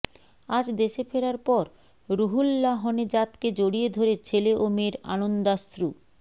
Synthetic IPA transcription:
ad͡ʑd̪eʃefeɾaɾpɔɾ | ɾuɦulːaɦɔned͡ʑat̪ked͡ʑoɽied̪ʱoɾet͡ɕʰeleʔomeɾa̰nond̪ast̪ɾu

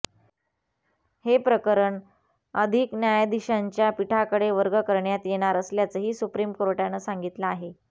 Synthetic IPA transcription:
hepɾəkəɾəɳ | əd̪ʱiknjajd̪iɕaɲt͡ɕjapiʈʰakəɽeʋəɾɡəkəɾɳjat̪jeɽ̃aɾəsljat͡səɦiːsupɾimkɾoʈjanəsaŋɡit̪laaɦe

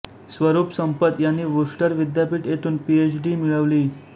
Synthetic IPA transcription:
sʋəɾupsəmpət̪janːiːʋuʂʈəɾʋid̪japiːʈjet̪uːnpiet͡ɕɖiːmiɭəʋliː

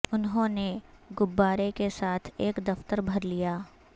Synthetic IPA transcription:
ʊnɦõːneɡʊbːaːɾekesaːt̪ʰeːkd̪ɐft̪əɾbʱɐɾlijaː

